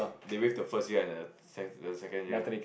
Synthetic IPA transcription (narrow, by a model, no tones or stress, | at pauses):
dewefdəfəstjiəɛ̃ndə | sɛəsɛkə̃njii